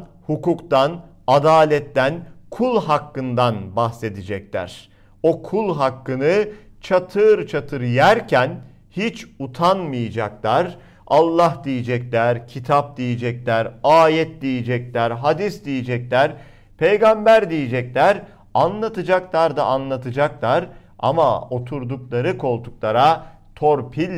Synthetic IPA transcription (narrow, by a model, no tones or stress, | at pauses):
hukukt̪an | ad̪aːlʲɛt̪ːænkʰulˠɦakːɯnd̪anbahse̞d̪id͡ʒɛc̚lʲæ̰ɾ̥ | o̞kʰulˠɦakːɯnɯ | t͡ʃʰat̪ʰɯɾt͡ʃʰat̪ʰɯɾjæɾcʰæn | hit͡ʃut̪ʰanmɯjad͡ʒa̰klˠaɾ | alˠːahd̪ijid͡ʒɛclʲæɾcʰit̪ʰap̚d̪ijid͡ʒɛclʲæɾaːjɛt̪̚d̪ijid͡ʒɛc̚lʲæɾɦad̪isd̪ijid͡ʒɛclʲæɾ | pʰejɡambæɾd̪ijid͡ʒɛclʲæɾ | anlˠat̪ɯd͡ʒaklˠaɾd̪a̰anlˠat̪ʰɯd͡ʒaklˠaɾa̰ma̰o̞t̪ʰuɾd̪uklˠaɾɯkʰo̞lˠt̪ʰuk̚lˠaɾa | t̪ʰoɾpʰilʲ